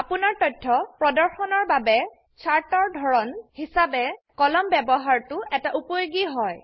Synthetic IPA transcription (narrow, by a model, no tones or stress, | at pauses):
apʊnaɹtɔjtʰːɔpɹɔdɔɹxɔnɔɹbabɛ | t͡ʃʰaɹtɔɹdʱɔɹɔnhisabɛkɔlɔmbɛbɔɦaɹtʊʔɛtaʔupojoɡiɦɔj